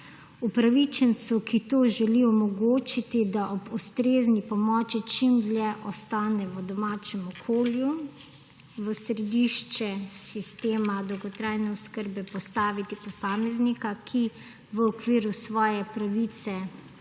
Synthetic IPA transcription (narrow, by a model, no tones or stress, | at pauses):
upɾaʋit͡ʃɛnt̪sukit̪oːʒɛliɔmɔɡoːt͡ʃit̪id̪aʔɔbust̪ɾeːznipɔmɔːt͡ʃit͡ʃimdljɛʔɔst̪aːnɛəd̪ɔmaːt͡ʃɛmɔkʰoːlju | ʋəsɾɛd̪iʃt͡ʃɛsist̪eːmad̪ɔwɡɔt̪ɾaːjnɛɔskəɾbɛpɔst̪aːʋit̪ipɔsaːmɛznikakʰi | ʋəɔkʋiːɾusʋɔːjɛpɾaʋiːt̪sɛ